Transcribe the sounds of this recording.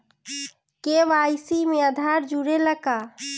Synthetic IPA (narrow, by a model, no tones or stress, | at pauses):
keʋajsimeəd̪ʱaɾd͡ʒuɾeləka